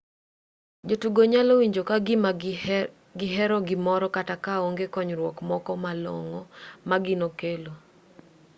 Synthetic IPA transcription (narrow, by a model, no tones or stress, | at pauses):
d͡ʒotuɡoɲalowiɲd͡ʒokaɡɪ | ɡɪɦɛɾɔɡɪmɔɾɔkatakaoŋɡekɔɲɾwɔkmɔkɔmalɔ̰ŋɔmaɡɪnokelo